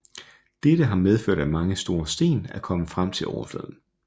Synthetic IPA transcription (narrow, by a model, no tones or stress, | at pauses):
d̥eɾəɦɑ̈með̞ˠføɐ̰ɾæmɑ̈ŋəsd̥o̝ːɐsd̥e̝̰ːnækʰɒ̽məfʁam̰t͡sʰe̝lʔɒʊɐflø̰ðˠn̩